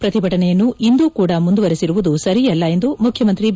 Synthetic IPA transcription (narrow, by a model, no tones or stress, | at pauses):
pɾɐt̪ibʱɐʈɐnɛjɐnːuʔind̪uːkuːɽɐmund̪uʋɐɾisiɾuʋud̪usɐɾijɛlːɐe̞nd̪umukʰjɐmɐnt̪ɾi